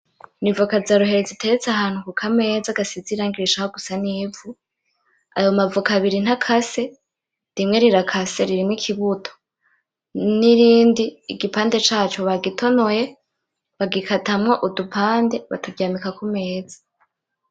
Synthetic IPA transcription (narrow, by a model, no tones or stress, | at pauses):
nivukazaɾuɦe̞ɾezitʰe̞ɾet͡saɦaːnhukukʰame̞ːzaɡasiziɾaːŋɡiɾiʃahoɡusaniːvu | a̰jomavukaβiɾin̥hakʰase̞ | dimŋe̞ɾiɾakʰase̞ɾiɾimŋikʰiβutʰo̥ | niɾiːndiːɡipaːnde̞t͡ʃaːt͡ʃo̞βaɡitʰo̞noje̞ | βaɡikʰatamŋoʔudupʰaːnde̞βa̰tʰuvjaːmikakume̞ːz̥ḁ